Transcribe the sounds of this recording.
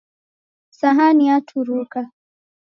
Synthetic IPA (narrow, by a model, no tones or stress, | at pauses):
saɦaniatʰuɾuka